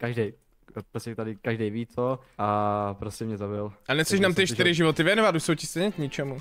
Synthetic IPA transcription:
kaʒdɛj | pɾoscɛt̪adɪkaʒdɛjviːt͡so | ʔapɾoscɛmɲɛzabɪlʔanɛsɛʃnaːmt̪ɪʃt̪ɪɾɪʒɪvot̪ɪvjɛnovat̪uʃsowcɪst̪ɛjɲɛkɲɪt͡ʃɛmu

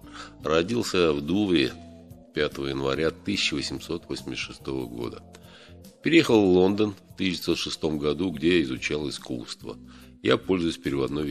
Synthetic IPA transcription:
ɾɐdʲilˠsʲəjavd̪uvɾʲɪ | pʲat̪əvəjɪnvɐ̰ɾʲat̪ɨsʲɪt͡ɕːɪvəsʲɪmso̞t̪vosʲmʲɪsʲt̪ːʂɨst̪o̞vəɡo̞̰d̪ə | pʲɪɾʲɪjexəlˠvlˠo̞nd̪ənft̪ɨsʲɪɪsot̪ʂɨst̪o̞mɡɐd̪uɡdʲejaɪzʊt͡ɕalˠɨskṵst̪və̰ | japo̞lʲzʊjʊsʲpʲɪɾʲɪvɐd̪noj

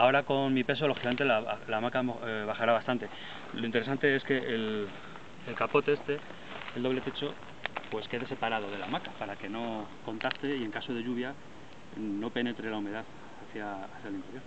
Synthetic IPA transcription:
ao̞ɾako̞nmipe̞s̬o̞lo̞xikament̪elalamakaβaxaɾaβast̪ant̪e̞ | lo̞int̪eɾe̞sant̪e̞e̞ske̞ʔel | elkapo̞t̪e̞est̪e̞ | eld̪oβle̞t̪e̞t͡ʃo̞ | pwe̞ske̞ðe̞se̞paɾað̞o̞ðe̞lamakapaɾake̞no̞ko̞nt̪ast̪e̞ie̞ŋkaso̞ð̞eʎuβ̞ja | no̞pe̞ne̞t̪ɾe̞laume̞ðaθ | aθjaaθjalint̪e̞ɾjo̞ɾ

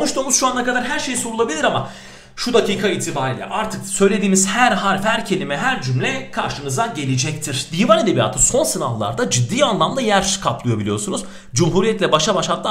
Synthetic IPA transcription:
onuʃt̪uːmuzʃuanːakad̪aɾɦæɾʃe̞jso̞ɾulˠabilʲiɾama | ʃud̪aciːkʰaiːt̪ʰibaːɾiːlʲɛ̰ʔaɾt̪ʰɯksø̞jlʲe̞d̪iːmiz̥hæɾɦaːɾfhæɾcʰe̞lʲimɛɦæɾd͡ʒymlʲɛkʰaɾʃɯnɯzd̪aɟe̞lʲid͡ʒɛc̚t̪ʰiɾ̥d̪iːvaned̪e̞bija̰ːt̪ʰɯso̞nsɯnavlˠa̰ɾd̪ad͡ʒid̪ːiːanlˠamlˠajæɾkʰaplˠɯjabilʲijo̞sunuz | d͡ʒumɦuːɾijɛt̪lʲɛbaʃabaʃat̪lˠa

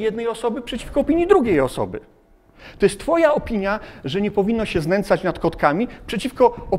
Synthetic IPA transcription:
jɛd̪nɛjɔsɔbɘpʂɛt͡ɕi̥fkɔːpʲiɲjid̪ɾuɡʲejɔ̰sɔ̰bɘ̰ | t̪ɔjɛst̪ːfɔjaɔpʲiɲjaʐɛɲɛpɔvʲinːɔɕɛznɛnt̪sat͡ɕnat̪kɔt̪kamʲipʂɛt͡ɕifkɔɔ

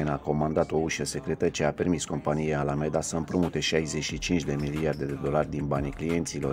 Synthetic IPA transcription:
enako̞mand̪at̪o̞uʃəse̞kɾe̞t̪ət͡ʃeape̞rmisko̞mpanijealame̞d̪asəɨmpɾomut̪e̞ʃajze̞ʃit͡ʃint͡ʃd̪e̞miliard̪e̞d̪e̞d̪o̞larʲd̪inbaniklije̞nt̪silo̞̰

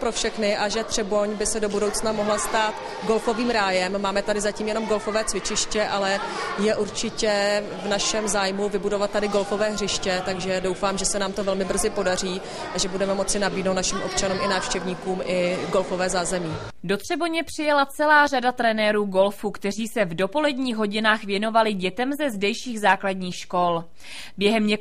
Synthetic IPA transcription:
pɾofʃɛxnɪʔaʒɛt̪r̝̥ɛbo̞ɲbɪsɛdo̞budo̞wt͡snamo̞ɦlast̪aːt̪ | ɡo̞lfo̞viːmɾaːjɛmːaːmɛt̪adɪzaciːmjɛno̞mɡo̞lfo̞vɛːt͡svɪt͡ʃɪʃcɛʔalɛjɛʔuɾt͡ʃɪcɛ | vnaʃɛmzaːjmuvɪbudovat̪̚ːadɪɡo̞lfo̞vɛːɦr̝ɪʃcɛt̪aɡʒɛdo̞wfaːmʒɛsɛnaːmt̪ovɛlmɪbr̩zɪpo̞dar̝iː | ʔaʒɛbudɛmɛmo̞t͡sɪnabiːdnowt̪naʃɪmʔo̞p̚t͡ʃanuːmɪnaːfʃcɛvɲiːkuːmʔɪɡo̞lfovɛːzaːzɛmiː | do̞t̪r̝̥ɛboɲɛpr̝̥ɪjalat͡sɛlaːradat̪ɾɛnɛːɾuːɡo̞lfuːkt̪ɛr̝iːsɛvdo̞po̞lɛdɲiːxɦo̞ɟɪnaːxvjɛno̞valɪɟɛt̪ɛmzɛzdɛjʃiːɣzaːkladɲiːxʃko̞l | bjɛɦɛmɲɛ

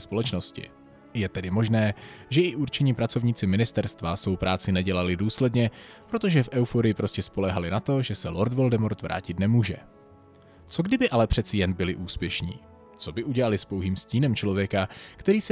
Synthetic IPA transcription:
spo̞lɛt͡ʃno̞scɪ̰ | jɛt̪ɛdɪmo̞ʒnɛːʒɛɪʔuɾt͡ʃɛɲiːpɾat͡so̞vɲiːt͡sɪmɪnɪst̪ɛɾst̪vasvo̞wpɾʔaːt͡sɪnɛɟɛlalɪduːslɛdɲɛpɾo̞t̪o̞ʒɛfʔɛwfoɾɪjɪpɾo̞scɛspo̞lɛɦalɪnat̪o̞ʒɛsɛlo̞ɾt̪vo̞ldɛmoɾt̪vɾʔa̰ːcɪt̪nɛmuːʒɛ̰ | t͡so̞ɡdɪbɪʔalɛpr̥ɛt̪t͡sɪjɛnbɪlɪʔuːspjɛʃɲḭː | t͡so̞bɪʔuɟɛlalɪspowɦiːmsciːnɛmt͡ʃlo̞vjɛkakt̪ɛɾiːs

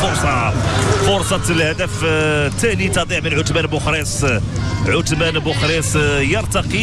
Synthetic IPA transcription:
fʊɾsˤɑfʊɾsˤɑt̪lhæd̪əft̪ːænit̪ɑd̪ˤiʕmənʕʊt̪mænbʊxɾes | ʕʊt̪mænbʊxɾesjəɾt̪ɑqi

